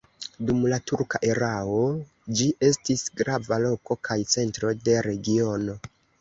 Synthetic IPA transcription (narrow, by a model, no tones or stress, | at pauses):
dumlatuɾkaʔe̞ɾao̞ | d͡ʒiʔe̞stisɡɾavalo̞ko̞kʰajt͡se̞ntɾo̞de̞ɾe̞ɡio̞no̞